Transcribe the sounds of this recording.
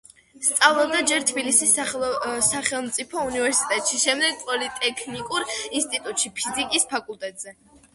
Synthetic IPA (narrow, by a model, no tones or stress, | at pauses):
st̪sʼavlˠɔb̚d̪ad͡ʒɛɾt̪ʰbilisis | saχɛlˠmt̪sʼipʰɔunivɛɾsi̥t̪ʼɛt̪ʼʃiʃɛmd̪ɛɡ̚pʼɔlit̪ʼɛkʰnikʼuɾinst̪ʼit̪ʼut̪ʼʃipʰizikʼispʰakʼulˠt̪ʼɛt̪ʼz̥ɛ